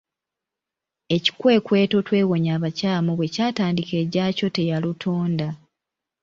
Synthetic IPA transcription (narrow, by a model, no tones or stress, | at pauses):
e̞ci̥kwe̞ːkwe̞ːto̞twe̞ːɣo̞ɲaːβacaːmuβwe̞caːtaːndike̞ːɟaːco̞te̞jalutʰoːnda